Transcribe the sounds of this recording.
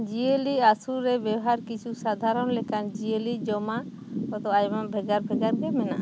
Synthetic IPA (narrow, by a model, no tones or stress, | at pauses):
d͡ʒiəliasuɾːɛbɛwɔɦaɾkit͡ʃʰusad̪ʱaɾɔnlɛkand͡ʒiəlid͡ʒɔma | kɔd̪ɔajmabʱɛɡaɾbʱɛɡaɾɡɛmɛna̰ʔ